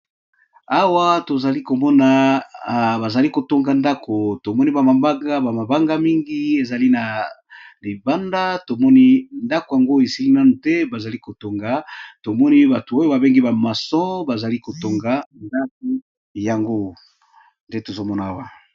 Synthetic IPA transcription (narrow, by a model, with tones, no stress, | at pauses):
a˦wa˦to˨za˨li˦ko˨mɔ˦na˨ | ba˨za˨li˦ko˨to˦ŋɡa˨nda˦kʰo˨to˨mɔ˦ni˦ba˨ma˨ba˦ɡa˦ba˨ma˨ba˦ŋɡa˦mi˦ŋɡi˦e˨za˨li˦na˨li˨ba˦nda˦to˨mɔ˦ni˦nda˦ko˨ja˨ŋɡo˦e˨si˦li˦na˦nu˨tɛ˦ba˨za˨li˦ko˨to˦ŋɡa˨to˨mɔ˦ni˦ba˨tu˨o˦jo˦ba˨be˦ŋɡi˦ba˨ma˨sɔ̃˦ba˨za˨li˦ko˨to˦ŋɡa˦nda˦k̚o˦ | ja˨ŋɡo˦ | nde˦to˨zo˦mɔ˦na˨a˦wa˨